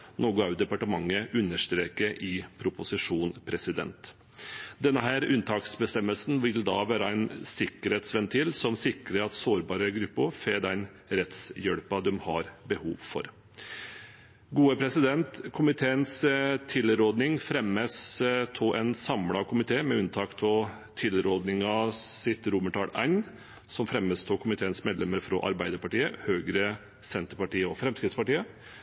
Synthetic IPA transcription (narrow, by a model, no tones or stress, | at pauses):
noːɡʊɑʉd̪ɛpɑʈəmɑŋːəʔʉnːəʂt̪ɾeːkəɾɪpʰɾʊpʊsɪʂuːnpʰɾɛsɪd̪ɛ̰nt̪ | d̪ɛnːəɦæːɾʉnt̪ʰɑːksbəst̪ɛmːəlsn̩ʋɪld̪ɑ̰ːʋæːɾɑæɪnsɪkːəɾheːt̪sʋɛnt̪ʰɪlsɔmsɪkɾəɾɑt̪soːɾbɑːɾəɡɾʉpːʊɾfeːd̪ɛɪn | ɾɛt̪sjœɽpɑd̪ɛmhɑ̰ɾbəhuːʋfɔ̰ɾ | ɡuːəpʰɾɛsɪd̪ɛnt̪kʰʊmɪt̪ʰeːənst̪ʰɪlɾoːd̪nɪŋfɾɛmːəst̪ʰoʔɛnsɑmlɑkʰʊmɪt̪ʰeːmɛʉnt̪ʰɑːkt̪ʰɔt̪ʰɪlɾoːd̪nɪŋɑsɪt̪ɾʊməʈʰɑːɽæɪn | sɔmfɾɛmːəst̪ʰoːkʰʊmɪt̪ʰeːənsmeːd̪lɛməɾfɾɔ̰ʔɑ̰ɾbæɪd̪əɾpɑʈiːəhøːɡɾə | sɛnt̪əɾpɑʈiːəɔfɾɛmskɾɪt̪spɑʈiːə